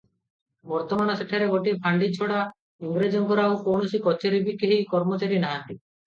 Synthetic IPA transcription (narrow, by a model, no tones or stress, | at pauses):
bɔɾt̪ɔmañɔseʈʰaɾeɡoʈipʰaɳɖit͡ʃʰɔɽa | iŋɡɾed͡ʒɔŋkɔɾawkowɳosikɔt͡ʃeɾibikeɦikɔɾmot͡ʃaɾinaɦãnt̪i